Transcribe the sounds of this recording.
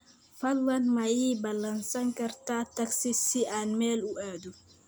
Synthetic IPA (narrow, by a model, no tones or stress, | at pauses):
falwɐnmajibalansaŋkɐɾtataksisiʔanmɛluʔɛdu